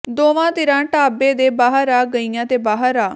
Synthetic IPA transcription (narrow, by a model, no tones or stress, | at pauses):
d̪oːʋãːt̪ɪɾãːʈaːbeːd̪eːbaːɦəɾaːɡəijãːt̪eːbaːɦəɾaː